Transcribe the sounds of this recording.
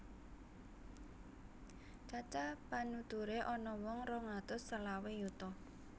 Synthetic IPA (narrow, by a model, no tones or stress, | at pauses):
t͡ʃat͡ʃapanut̪uɾeʔɔnɔwɔŋrɔŋat̪ʊsːəlawejut̪ɔ